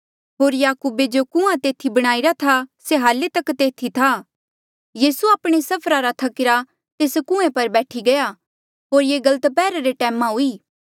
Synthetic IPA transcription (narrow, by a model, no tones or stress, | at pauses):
ɦoːɾjaːkuːbed͡ʒokʊ̃ãt̪eːt̪ʰibɐɽ̃aːiɾat̪ʰaseɦaːlet̪ɐkt̪eːt̪ʰit̪ʰa | jiːsuaːpɽ̃esɐpʰɾaɾat̪ʰɐkɪɾa | t̪eːskʊ̃ẽpɐɾbɛːʈʰiɡɐja | ɦoːɾjeːɡɐlət̪pɛːɾaɾeʈɛːmãɦuiː